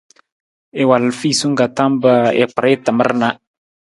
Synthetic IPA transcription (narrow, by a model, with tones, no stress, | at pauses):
e˨wa˨lfi˦˨su˦ŋ̩˦ɡa˨tã˦mbə˦ɛ̰˨k͡pə˨ɾe˦tə˨mə̰˦ɾna˦